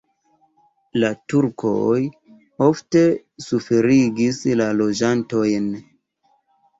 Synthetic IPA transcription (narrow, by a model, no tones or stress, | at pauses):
latuɾkʰo̞̰j | o̞fte̞ | sufe̞ɾiɡislalo̞d͡ʒanto̞jn